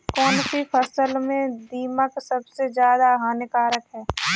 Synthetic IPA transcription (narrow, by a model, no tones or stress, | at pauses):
kɔːnsipʰəsəlmẽd̪iːməksəbsezjaːd̪aɦaːnɪkaːɾəkɦɛː